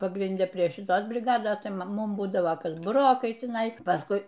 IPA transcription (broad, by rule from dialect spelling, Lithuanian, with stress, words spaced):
pɐɡrʲɪnʲˈdʲɛ pʲrʲiɛ ʃʲɪˈtoːs bʲrʲɪˈɡɑːdoːs ˈtɐɪ ˈmʊm ˈbuːdɐʋɐ ˈkɐs bʊˈroːkɐɪ tʲɪˈnɐɪ pɐsˈkʊɪ